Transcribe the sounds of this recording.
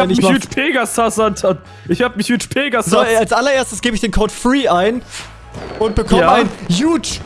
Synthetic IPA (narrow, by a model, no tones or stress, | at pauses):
ɛnɪçutpʰeːɡasasantʰa | ʔɪçhaːbəmɪçuːtpʰeːɡaszalsʔalɐʔeːɐstəsɡ̥eːbəɪçd̥eːnkʰoʊtfʁiːʔaɪn | ʔʊnt̚b̥əkʰɔmməaɪnjuːt